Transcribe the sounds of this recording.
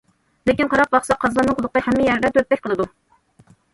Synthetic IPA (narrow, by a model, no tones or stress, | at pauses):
lɪkʲinqʰɑɾɑq̚vɑχsɑqʰɑzlˠɑnɨŋqʰʊlˠʊqəhɛmːɪjɛɾɪd̪ɛt̪ʰøt̪̚pɛkʲqʰəlˠɨd̪u